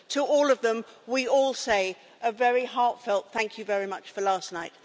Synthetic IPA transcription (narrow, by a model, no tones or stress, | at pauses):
tʰəɔlˠʌvðə̃mwiɔlˠseɪ | ʔəvɛɹiɦɑɹtfɛlˠt̪̚θæ̃ŋkʰjɨvɛɹimʌt͡ʃfəlæˑsnaɪt̚